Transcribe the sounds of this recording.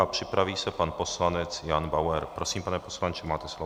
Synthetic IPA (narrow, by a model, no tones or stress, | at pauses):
apr̥ɪpɾaviːsɛpanpo̞slanɛt͡sjanbawɛɾpɾo̞siːmpanɛposlant͡ʃɪmaːt̪ɛslo